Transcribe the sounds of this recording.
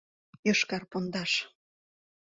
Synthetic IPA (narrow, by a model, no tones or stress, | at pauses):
joʃkɑrpond̪ɑʃ